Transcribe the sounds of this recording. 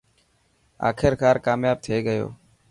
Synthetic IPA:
a̰ːkʰɪɾkaːɾkaːmjaːb̚t̪ʰeːɡəjo̰ː

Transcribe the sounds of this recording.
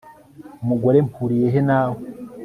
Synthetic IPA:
umuɡoɾempuːɾije̞ɦenaːho

